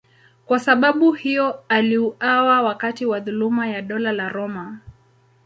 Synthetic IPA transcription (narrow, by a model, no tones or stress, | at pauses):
kwasaɓaɓuhijɔaliuawawakatiwaðulumajaɗɔlalaɾɔma